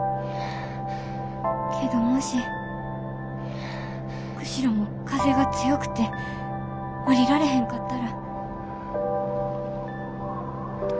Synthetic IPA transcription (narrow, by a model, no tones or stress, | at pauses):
kʰe̞d̪o̞moɕi | kɯ̟̥ɕiɾomo̞ | kaze̞ɡat͡sɨjo̞kɯ̟̥t̪e̞ | oɾʲiɾaɾe̞ɦẽ̞ŋkat̪ːaɾa